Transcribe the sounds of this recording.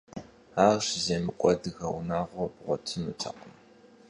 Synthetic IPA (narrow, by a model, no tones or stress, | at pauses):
aːɕzeːmɨkʷʼɔdɨɣɐwnaːʁʷobʁʷɔtʰɨnuːtʰɐ̰qəm